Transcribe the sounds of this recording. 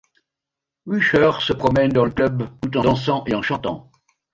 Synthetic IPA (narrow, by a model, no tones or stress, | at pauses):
wyʃœʁsəpχɔmɛnd̪ɑ̃ləklœbt̪ut̪ɑ̃d̪ɑ̃sɑ̃ʔeɑ̃ʃɑ̃t̪ɑ̰̃